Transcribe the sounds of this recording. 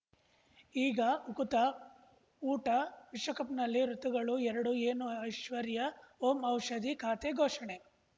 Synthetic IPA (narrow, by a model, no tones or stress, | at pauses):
iːɡɐukut̪ɐ | uːʈɐʋiʂʋɐkɐpnɐlːiɾut̪uɡɐɭuɛɾɐɽueːnuɐjʃʋɐɾjɐoːmɐwʂɐd̪ikʰaːt̪eɡʱoːʂɐɳe